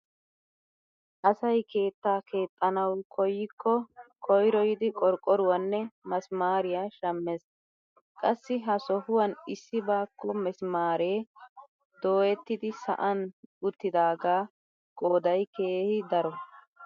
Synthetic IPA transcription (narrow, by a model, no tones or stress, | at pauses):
ʔɐsɐjke̞ːt̪ːaːke̞ːt̪ʼːɐnɐwkʰɔjːɪkʰːɔkʰɔjɾɔjɪd̪ɪkʼɔɾkʼːɔɾʊwɐnːɛmɐsmaːɾɪjaʃɐmːes | kʼɐsːɪɦɐsɔhʊwɐnɪsːɪbaːkːɔmɛsmaːɾe̞ː | d̪o̞ːjɛt̪ːɪd̪ɪsɐ̰ʔɐnʊt̪ːɪd̪aːɡaː | kʼo̞ːd̪ɐjkeːhɪd̪ɐɾɔ